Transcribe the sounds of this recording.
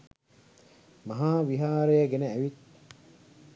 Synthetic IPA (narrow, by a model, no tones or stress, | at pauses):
mɐɦaːʋiɦaːɾejəɡeneæʋit̪̚